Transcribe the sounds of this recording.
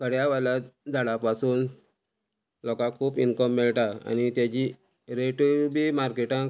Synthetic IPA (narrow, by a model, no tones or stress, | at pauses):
kʰəɽjaʋalad͡zʱaɽapasuːn | lɔkãkʰuːpinkəmːeɭʈaa̰nit̪jat͡ɕi | ɾeʈubimaɾkeʈã